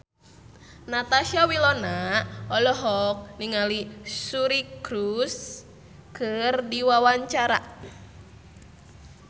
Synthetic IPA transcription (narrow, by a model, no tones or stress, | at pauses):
nat̪aʃiawilɔnaʔɔlɔɦɔk̚niŋalisuɾikɾus | kɨrdiwawaɲt͡ʃaɾa̰